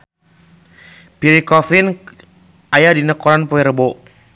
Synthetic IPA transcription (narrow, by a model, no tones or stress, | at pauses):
piɾikɔfin | ajadinəkɔɾanpoɛɾəbo